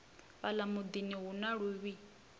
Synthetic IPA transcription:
βalamud̪iniɦunaɺuβi

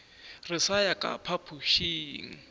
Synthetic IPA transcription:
rɪsajakʼa̰pʰapʰuʃiːŋ̩

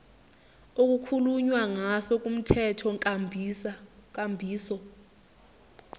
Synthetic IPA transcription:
ok̬ʼukʰuluɲwaŋasɔkʼum̩tʰɛtʰɔŋʼabʱsakambʱiːsɔ

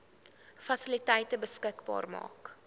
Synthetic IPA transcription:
fɐsilitɛjtəbəskəkbɑ̰ːrmɑ̰ːk

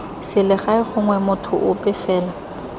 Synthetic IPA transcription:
sɪlɪχaɪχʊŋwɛmʊtʰʊ̰ʔʊpʼɪfɛːla

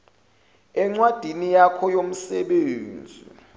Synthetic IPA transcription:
ɛŋ͡ǀwad̥ʱinijakʰɔjom̩sɛɓeːnd͡zʱḭ

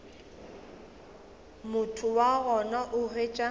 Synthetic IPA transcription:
mʊtʰʊwaɣɔnaʔʊreːt͡ʃʼa

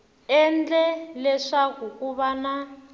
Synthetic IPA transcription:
ɛnd͡ɮɛlɛʂakukuβana

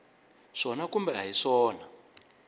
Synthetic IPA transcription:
ʂɔnakumbɛɦaɦiʂɔːna

